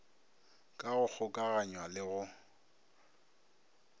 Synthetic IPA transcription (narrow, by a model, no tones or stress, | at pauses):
kʼaɣʊk͡xʰʊkʼaɣaɲwalɪɣʊ